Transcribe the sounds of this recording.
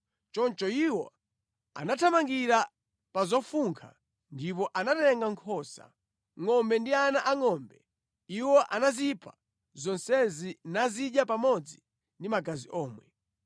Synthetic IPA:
t͡ʃɔnt͡ʃɔiwɔ̰ | a̰natʰamaŋɡiɾa | pazɔfuŋkʰa̰ | ndip̬ɔʔanatɛŋɡaŋkʰɔsa̰ | ŋɔmbɛndianaʔaŋɔːmbɛ | iwɔʔanazipʰḁ̰ | zɔnsɛzinaziɗjapamɔd͡zi | ndimaɡaziʔɔːmwɛ̰

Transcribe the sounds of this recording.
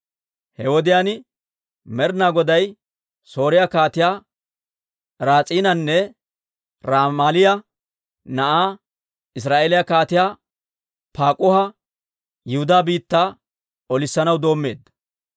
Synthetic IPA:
hɛwɔd̪ɪjaːnɪ | mɛɾnaːɡɔd̪ɐj | so̞ːɾɪjakaːt̪ɪjaː | ɾaːt͡sʼiːnɐnːɛ | ɾaːmaːlɪjɐ | nɐʔaː | ɪs̬ɾaːʔeːlɪjakaːt̪ɪjaː | paːkʼʊhɐ | jɪhʊd̪aːbiːt̪ːaː | ɔlɪsːɐnɐwd̪o̞ːmːe̞ːd̪ːɐ

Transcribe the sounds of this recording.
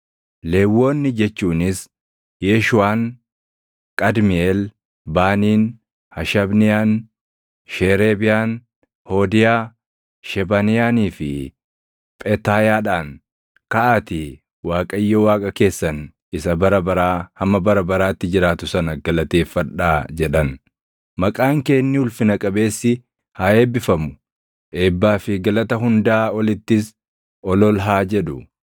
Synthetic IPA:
le̞ːwːo̞ːnːɪd͡ʒɛt͡ʃːuːnɪs | jeːʃʊwaːn | kʼɐd̪mɪel | baːniːn | hɐʃɐbnɪjaːn | ʃeːɾeːbɪjaːn | hoːd̪ɪjaː | ʃɛbɐnɪjaːniːfɪ | pʼɛt̪aːjaːᶑaːn | kɐʔaːt̪ɪ | waːkʼɐjːowaːkʼɐke̞ːsːɐn | ɪsɐbɐɾɐbɐɾaːhɐmɐbɐɾɐbɐɾaːt̪ːɪd͡ʒɪɾaːt̪ʊsɐnɐɡɐlɐt̪e̞ːfːɐᶑaːd͡ʒɛᶑɐn | mɐkʼaːŋke̞ːnːɪʊlfɪnɐkʼɐbe̞ːsːɪ | haːe̞ːbːɪfɐmʊ̥ | ʔe̞ːbːaːfɪɡɐlɐt̪ɐɦʊnd̪aːɔlɪt̪ːɪs | ɔlɔlɦaːd͡ʒɛᶑʊ

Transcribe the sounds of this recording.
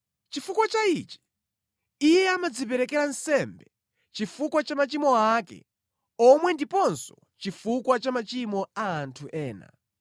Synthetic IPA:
t͡ʃifukwat͡ʃait͡ʃi̥ | ijɛamad͡zip̬ɛɾɛkɛɾansɛmbɛ | t͡ʃifukwat͡ʃamat͡ʃimɔakɛ̰ | ɔmwɛndipɔnsɔ̥ | t͡ʃifukwat͡ʃamat͡ʃimɔaːntʰuʔɛːna̰

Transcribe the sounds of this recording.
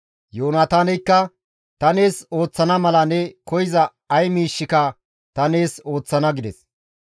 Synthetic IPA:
joːnaːt̪aːnɛjkːɐ | t̪ɐne̞ːso̞ːt͡sːɐnɐmɐlɐnɛkɔjɪzɐ | ɐjmiːʃːɪkɐ | t̪ɐneːso̞ːt͡sːɐnɐɡɪd̪ɛs

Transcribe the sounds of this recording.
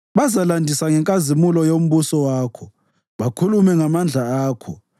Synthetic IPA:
βazalandʱisaŋɛŋkʼazimulɔjom̩βusɔwaːkʰɔ | βakʰulumɛŋamand͡ɮʱaaːkʰɔ̰

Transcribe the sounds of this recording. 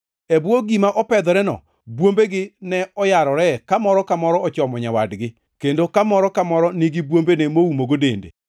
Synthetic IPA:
ebwoɡimaʔɔpɛd̪ɔɾɛnɔ̰ | bwombeɡɪnɛɔjaɾɔɾɛkamɔɾɔkamɔɾɔɔt͡ʃɔmɔɲawadɡɪ | kendokamɔɾɔkamɔɾɔniɡɪbwombenɛmowumoɡodḛndḛ

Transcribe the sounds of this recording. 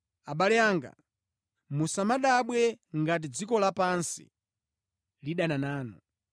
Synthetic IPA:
aɓalɛaŋɡa̰ | musamaɗaɓwɛŋɡatid͡zikɔlapansḭ | liɗananaːnɔ

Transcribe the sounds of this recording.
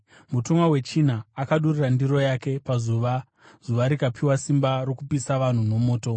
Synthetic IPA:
mutomwawe̞t͡ʃin̤aːkaɗurirandiro̞jake̞pazuʋa | z̥uʋaɾikapʰiwasimbaɾo̞kupisaʋan̤uno̞mo̞ːto̞

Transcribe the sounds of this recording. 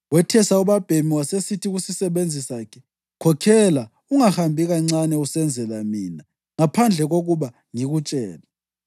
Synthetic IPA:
wɛtʰɛsauβab̥ʱemiwasesitʰiɣusisɛβend͡zʱisakʰɛ̥ | kʰɔkʰɛla | uŋahambʱiɣaŋ͡ǀanɛusɛnd͡zʱɛlamiːna | ŋapʰand͡ɮʱɛɣoɣuβa | ŋiɣut͡ʃʼɛːla

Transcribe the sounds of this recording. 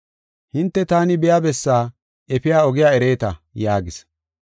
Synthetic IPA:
hɪnt̪ːɛt̪aːnɪbɛjabɛsːaː | ɛpɪjaːɔɡɪjaːɛɾe̞ːt̪ɐjaːɡɪs

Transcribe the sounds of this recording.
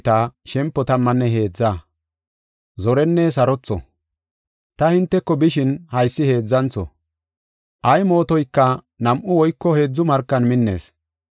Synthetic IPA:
t̪aːʃɛmpːɔt̪ɐmːɐnːɛɦe̞ːd͡zːaː | zɔɾɛnːɛs̬ɐɾɔt͡sːɔ̰ | t̪ɐhɪnt̪ːɛkːɔbɪʃɪnhɐjsːɪhe̞ːd͡zːɐnt͡sɔ̰ | ʔɐjmo̞ːt̪ɔjkːɐ | nɐmʔʊwɔjkːɔhe̞ːd͡zːʊmɐɾkːɐnmɪnːe̞̰ːs

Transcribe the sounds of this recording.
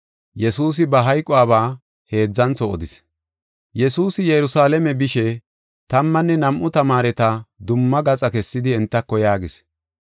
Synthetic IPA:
jɛsuːs̬ɪbɐɦɐjkʼːʊwaːβaː | he̞ːd͡zːɐnt͡sɔɔd̪ɪs | jɛsuːsɪjɛɾʊsaːlɛmɛbɪʃɛ | t̪ɐmːɐnːɛnɐmʔʊt̪ɐmaːɾɛt̪ɐd̪ʊmːɐɡɐt͡sʼɐkɛsːɪd̪ɪɛnt̪ːɐkːɔjaːɡɪs

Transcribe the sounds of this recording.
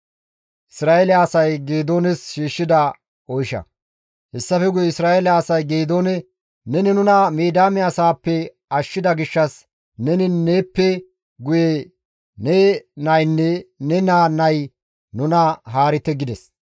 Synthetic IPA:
ʔɪsɾaːelɪaːsɐjɡeːd̪o̞ːnɛsʃiːʃːɪd̪ɐ | ɔjʃɐ̰ | hɛsːɐfɛɡʊjɛɪsɾaːʔelɪaːsɐjɡeːd̪o̞ːnɛ | nɛnɪnʊnɐmeːd̪aːmɪɐsaːpːɛ | ɐʃːɪd̪ɐɡɪʃːɐs | nɛnɪneːpːɛ | ɡʊje | nenɐjnːɛnɛnaːnːɐj | nʊnɐɦaːɾɪt̪ːɛɡɪd̪ɛs

